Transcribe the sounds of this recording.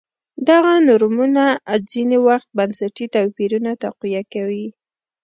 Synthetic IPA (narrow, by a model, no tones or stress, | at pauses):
d̪aɣanʊɾmunazinewaxt̪̚bansaʈit̪apiɾunat̪aqwijakawi